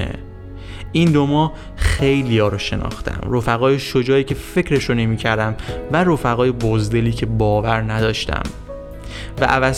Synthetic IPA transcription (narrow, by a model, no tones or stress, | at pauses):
ḛ | ind̪omɒː | xejlijɒːɾoʃe̞̰nɒ̰ːxt̪ʰæ̰mɾo̞fæɣɒːjeʃod͡ʒɒːiːcʰe̞fe̞cɾe̞ʃone̞miːcʰæɾd̪æmvæɾofæɣɒːje̞bozd̪e̞liːcʰe̞bɒːvæɾnæd̪ɒːʃt̪æ̰m | væʔævæs